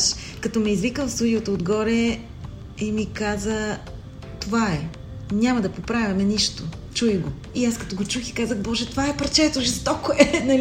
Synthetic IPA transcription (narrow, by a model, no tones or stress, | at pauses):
ʃ | kɐt̪ɔmɛizvikəmfst̪ud̪iot̪ood̪ɡɔɾɛ | imikazə | t̪ovaɛ | nʲamɐd̪ɐpopɾavʲɐmɛniʃt̪o | t͡ʃujɡo | iaskɐt̪ɔɡot͡ʃuxikazəxbɔʒɛt̪ovaɛpɾɐt͡ʃɛt̪oʒizt̪ɔkoɛnɐl